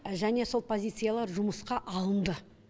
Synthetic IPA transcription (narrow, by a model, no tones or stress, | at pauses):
ʒæne̞so̞lˠpʰo̞zʲijt̪sɨjalˠɑɾʒʊməsqɑʔɑlˠənd̪ə